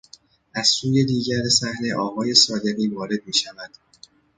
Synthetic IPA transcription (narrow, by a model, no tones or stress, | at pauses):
ʔæz̥suːje̞d̪iːɟæɾesæhne̞ʔɒːɣɒːje̞sɒːd̪e̞ɣiːvɒːɾe̞d̪̚miːʃævæd̪̥